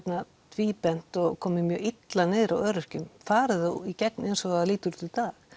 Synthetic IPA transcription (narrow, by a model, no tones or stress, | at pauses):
ɛp̪na | t̪ʰviːpɛn̥t̪ɔɣkʰɔːmɪmjœːɣit̪lanɪːðɾawœːɾʏr̥cʏmfaːɾɪðaicɛknɛnsɔɣaðliːt̪ʏɾt̪ɪt̪aːx